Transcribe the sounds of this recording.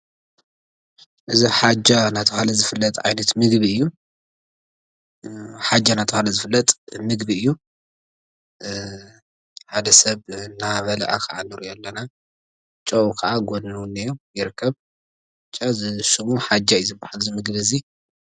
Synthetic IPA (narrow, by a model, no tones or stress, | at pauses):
ʔɨziħad͡ʒanat̪ʰɐxalɐzɨfɨlːɐt̪ʼʕa̰jnɐt̪mɨɡbiɨjːu | ħad͡ʒːanat̪ʰɐhalɐzɨfɨlːɐt̪ʼmɨɡbiɨjːu | ħad̪ɐsɐβnaβɐlɐʔakʰɐʔanɨɾijɛlːɐna | t͡ʃʼɐukʰɐʔaɡolnɐwnːɐjojɪɾɨkʰːɐβ | t͡ʃʼːazɨʃumuħad͡ʒːajzɨbːahalzɨmɨɡβɨzi